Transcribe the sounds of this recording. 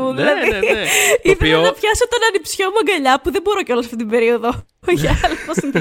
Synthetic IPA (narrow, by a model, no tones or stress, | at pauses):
uðilɐði | iðɐfçɐsot̪onɐnipsçomuɐɡɐʎɐpuðe̞bo̞ɾoceo̞lɐsɐft̪it̪ibe̞ɾio̞ðo | oçɐɐlposim